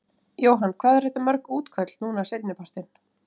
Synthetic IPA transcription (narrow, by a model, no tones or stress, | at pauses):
joːwɦanːkʰv̥aːðɛɾr̥ɛht̪ːamœɾkuːt̪kʰœt̪l̥nuːnasejt̪nɪpar̥t̪ɪn